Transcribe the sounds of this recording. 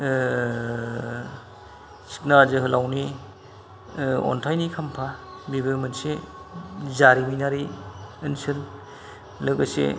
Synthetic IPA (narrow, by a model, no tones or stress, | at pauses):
si̥k̚nazɯɦɯlawni | ɔ̰ntʰajnikʰampʰabibɯɾmense | zaɾiminaɾiɯnsɯl | ləɡəsḛ